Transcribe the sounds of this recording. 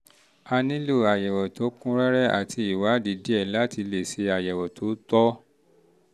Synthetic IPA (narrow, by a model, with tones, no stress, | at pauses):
a˦˧nĩ˦lo˦˨a˨jɛ˨wɔ˨to˨˦kũ˦ɾɛ˦ɾɛ˦a̰˦˨tʰi˧i˨wa˨˦di˨˦di˦ɛ˦˨la˦ti˧le˨se˨˧a˨jɛ˨wɔ˨to˨˦tɔ˦